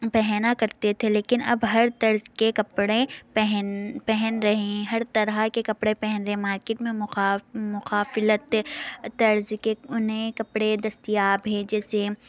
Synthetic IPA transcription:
pɛɦnakɐɾt̪et̪ʰeleːkɪnɐbɦɐɾt̪ɐɾzkekɐpɽẽpɛɦnpɛɦɛnɾɐɦẽɦɐɾt̪ɐɾakekɐpɽẽpɛɦɛnɾẽmaːɾkeːʈmẽmːmʊxaːfɪlət̪t̪ɐɾzkeʊnɦẽkɐpɽed̪ɐst̪ijaːbʱeːd͡ʒɛːse

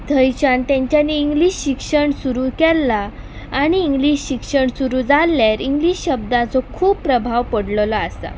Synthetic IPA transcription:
d̪ʱəjɕant̪jaɲt͡ɕjanːiːŋɡliɕɕikʂəɳsuɾuːkɛlːaː | ɽ̃iːŋɡliɕɕikʂəɳsuɾuːd͡zalːjaɾiŋɡliɕɕəb̚d̪ãt͡sɔkʰuːppːɾəbʱaʋpəɽllaasa̰

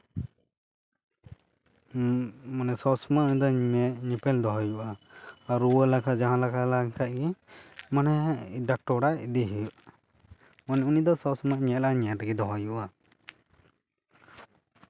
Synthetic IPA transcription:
manɛsɔsɔmaunid̪ɔmɛʔɲipɛld̪ɔɦɔjuʔaːɾuwəlakʰad͡ʒaɦãlakʰalaŋkʰaʔ̪̚ɡɛmanɛd̪aʈɔɽaʔd̪iɦiuʔ | manɛunid̪ɔsɔsɔmaʔɲɛlaaɲɛʈaɡɛd̪ɔɦɔjuʔa

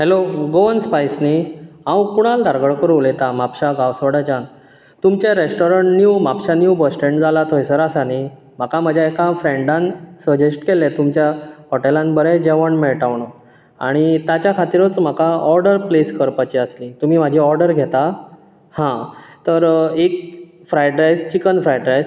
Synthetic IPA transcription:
ɦeloɡoənspajsniãwkuɽ̃ald̪ʱaɾɡəɭkəɾuːlet̪amapɕaɡaʋsʋəɽat͡ɕan | t̪umt͡ɕeɾesʈɔɾəɳʈnjumapɕanjubəsʈẽɳʈd͡zalat̪ʰojsəɾasani | m̤akaməd͡ʑʱjaekafɾeɳɖãnsəd͡ʑesʈkelet̪umt͡ɕjaɦɔʈelanbəɾɛd͡ʑeʋəɳmeɭʈaʋɳ̃o | a̰ɽ̃it̪jat͡ɕjakʰat̪iɾot͡sm̤akaɔɾɖəɾpleskəɾpat͡ɕiəsliːt̪um̤iːm̤ad͡ʑʱiːɔɾɖəɾɡʱet̪a | hãt̪əɾek̚ | fɾajʈɾajst͡ɕikənfɾajʈɾajs

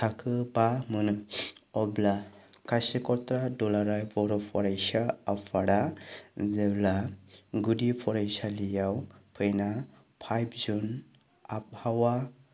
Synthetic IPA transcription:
tʰakʰɯbamɯnɯɔblakasekɔt̪ɾadɔlaɾajbɔɾɔpʰɔɾajsaapʰaɽazeblaɡudipʰɔɾajsalijawpʰɯjna | pʰajb̚zun | ap̚hawa

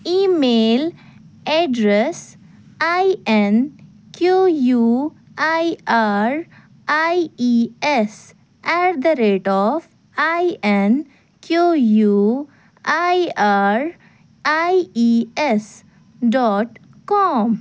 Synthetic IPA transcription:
iːmeːl | ɛɖɾes | ajɛn | kjoju | ajaɾ | ajiɛs | ɛʈd̪əɾeːʈɔf | ajɛn | kjoju | ajaɾ | ajiɛs | ɖɔːʈkɔm

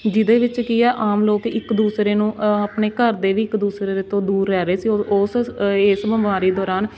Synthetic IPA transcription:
d͡ʒɪd̪eːʋɪt͡ʃkiɛːʔaːmloːkɪkd̪uːsɾeːnũːəpneːkəɾd̪eːʋiːɪkd̪uːsɾeːd̪et̪õːd̪uːɾːɛːɾeːsiːosesbəmʋaːɾiːd̪ɔːɾaːn

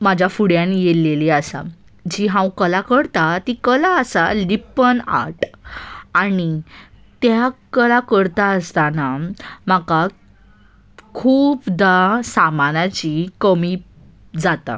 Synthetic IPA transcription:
mad͡ʑʱjafuɽjãnjeleliasa̰ | d͡ʑiɦãwkəlakəɽt̪at̪ikəlaəsa̰lipəna̰ʈ | ani | t̪jakəlakəɽt̪aəst̪anamaka | kʰuːpd̪asamanat͡ɕikəmi | d͡zat̪a̰

